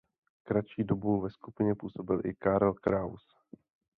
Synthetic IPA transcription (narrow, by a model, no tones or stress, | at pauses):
kɾat͡ʃiːdobuvɛskupɪɲɛpuːso̞bɪlʔɪ̰kaɾɛlkɾaws